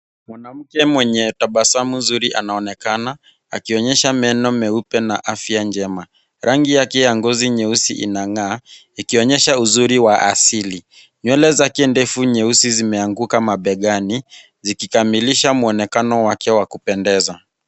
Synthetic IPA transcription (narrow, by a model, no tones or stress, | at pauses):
mwanam̩kɛmwɛɲɛtaɓasamuzuɾiʔanaɔnɛkana | a̰kiɔɲɛʃamɛnɔmɛupɛnaʔafiand͡ʒɛma | ɾʔaŋɡijakɛjaŋɡɔziɲɛusḭʔḭnaŋaː | ikiɔɲɛʃauzuɾiwaʔa̰sili | ɲwɛlɛzakɛndɛfuɲɛusizimɛaŋɡukamaɓɛɠani | zikikamiliʃamuɔnɛkanɔwakɛwakupɛndɛza